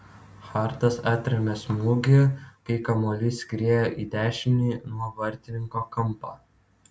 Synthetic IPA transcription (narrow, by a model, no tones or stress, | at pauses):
xɑːˑɾt̪ɐsæːt̪ʲɾʲɛmʲɛsmuːɡʲɪkɐɪkɐmoːlʲisʲkʲɾʲeɛjoːʔiːd̪ʲæːʃʲɪmʲnʲiːnuɔʋɐɾʲt̪ʲɪnʲɪŋkoːkɐmˑpɑː